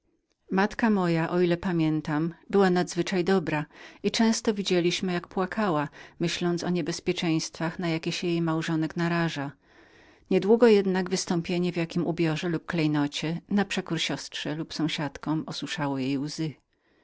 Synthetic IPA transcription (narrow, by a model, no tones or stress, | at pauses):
mat̪kamɔjaʔɔilɛpamʲjɛnt̪ambɘwanad̪zvɘt͡ʂajd̪ɔbɾait͡ʂɛ̃w̃st̪ɔvʲid͡ʑelʲiɕmɘjakpwakʰawamɘɕlɔnt̪sɔɲɛbɛspʲjɛt͡ʂɛ̃j̃st̪faxnajakʲeɕɛjejmawʐɔnɛknaɾaʐa | ɲɛd̪wuɡɔjɛd̪naɡvɘst̪ɔ̃mpʲjeɲɛvjakʲimʔubʲjɔʐɛlup̚klɛjnɔt͡ɕɛnapʂɛkuɾɕɔstʂɛlupsɔ̃w̃ɕat̪kɔmɔswuʂawɔjejwzɘ